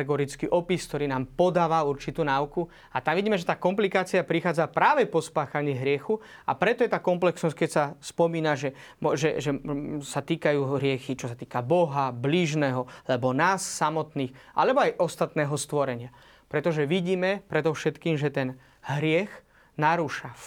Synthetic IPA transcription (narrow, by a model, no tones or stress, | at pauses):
ɛɡɔɾit͡skiʔɔpisk̚t̪ɔɾiːnaːmpɔd̪aːʋauɾt͡ʃit̪uːnauku | at̪amʋiɟiːmɛʒɛt̪aːkɔmplikaːt͡siapɾixaːd͡zapɾaːʋɛpɔspaːxaɲiːɦɾɪɛxua̰pɾɛt̪ɔjɛt̪aːkɔmplɛksnɔsckɛcsaspɔmiːnaʒɛ | mʒɛʒɛsat̪iːkajuːɦɾɪɛxit͡ʃɔsat̪iːkabɔɦabliːʒnɛɦɔlɛbɔnaːsːamɔt̪niːxʔa̰lɛbɔajʔɔst̪at̪nɛːɦɔst̪ʋɔɾɛɲɪa | pɾɛt̪ɔʒɛʋiɟiːmɛpɾɛd̪ɔfʃɛt̪kiːmʒɛt̪ɛn | ɦɾɪɛx | naɾuʃa